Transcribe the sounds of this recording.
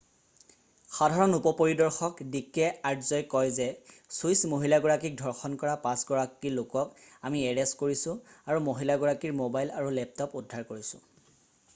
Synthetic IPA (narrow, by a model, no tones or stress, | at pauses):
xadʱaɹɔnupɔpoɹidɔɹxɔkdikːɛaɹtʰzɔjkɔjzɛsujsmoɦilaɡɔɹakik̚dʱɔɹxɔnkɔɹapãsɡɔɹakilokɔkamiɛɹɛstkoɹisʊ̃aɹumoɦilaɡɔɹakiɹmobajlaɹulɛp̚tɔpudʱːaɹkoɹisʊ̰̃